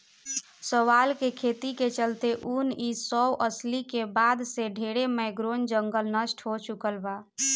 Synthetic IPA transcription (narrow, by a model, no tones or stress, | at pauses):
səʋalkekʰet̪iket͡ʃəlt̪eʔunisɔwʔəslikebad̪seɖʱeɽemɛɡɾond͡ʒəŋɡəlnəsʈɦot͡ʃukəlba